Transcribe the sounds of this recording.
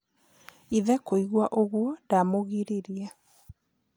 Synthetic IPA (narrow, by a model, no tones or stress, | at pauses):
iðɛkoiɣwaʔoɣwɔdamoɣiɾeɾia